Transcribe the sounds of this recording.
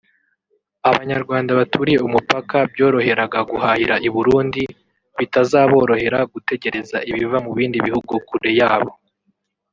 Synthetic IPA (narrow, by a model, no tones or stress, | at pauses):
aβaɲaɾɡwaːndaβatʰuɾije̞umupakabjo̞ːɾo̞he̞ɾaɡaɡuhahiɾaʔiβuɾuːndi | βitazaːβo̞ːɾo̞he̞ɾaɡute̞ɟe̞ɾe̞zaʔiβivamuβiːndiβihuɡukuɾe̞jaːβo̞